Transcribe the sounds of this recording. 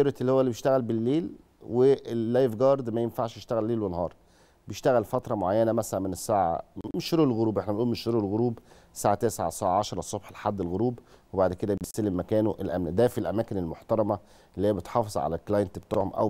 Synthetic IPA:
eɾet̪ʔelːihowːælːibjeʃt̪æɣælbelːeːl | weːæjvɡɑːɾˤd̪mæjenfaʕʃjeʃt̪æɣælːeːlwenhɑːɾˤ | bejeʃt̪æɣælfɑt̪ɾˤɑmoʕajːænæmæsælæmenesːaːʕa̰meʃɾuːllɣoɾuːbʔeħnæbenʔuːlmeʃɾɾuelɣoɾuːb | saːʕat̪æːseʕa̰saːʕaʕɑʃɾˤɑsˤːobħlħad̪ːelɣoɾuːbwebaʕd̪ked̪æesælemːækæːnoʔelʔæmnæd̪æfilʔæmæːkenelmoħt̪ɑɾˤɑmæ | ʔelːhijːæbet̪ħɑːfezˤʕa̰læklɑjent̪bt̪oːʕomʔæ̰w

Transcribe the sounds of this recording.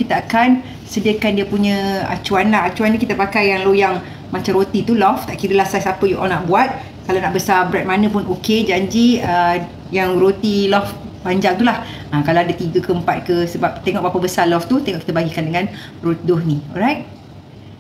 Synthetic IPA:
kit̪aakan | sədiəkandiəpuɲə̃a̰t͡ʃuanlaɦat͡ʃuanikit̪apakajːaŋlojaŋ | mat͡ʃamɾot̪it̪ulɔft̪aʔkiɾəlahsasapəjuʔɔlnaʔbuat̪̚ | kalanaʔbəsabɾɛt̚manə̃pʊnʔoked͡ʒaɲd͡ʒiə | jaŋrot̪ilɔf | baɲd͡ʒaŋt̪ulah | akalawadat̪iɡəkəəmpat̪̚kəsəbap̚t̪eŋɔʔ̚bapabəsalɔft̪ut̪eŋɔʔkit̪əbaɡikandəŋãn | rodʊhnĩɔɾajt̚

